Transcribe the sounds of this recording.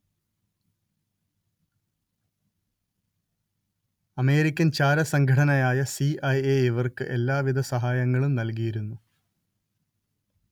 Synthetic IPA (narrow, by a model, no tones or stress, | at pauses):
ɐme̞ːɾikʲːɐnt͡ɕaːɾɐsɐŋɡʱɐʈɐnɐjaːjɐsiɐjeːiʋɐrkɨʔe̞lːaːʋid̪ʱɐsɐɦaːjɐŋːɐɭumnɐlkijiɾunːu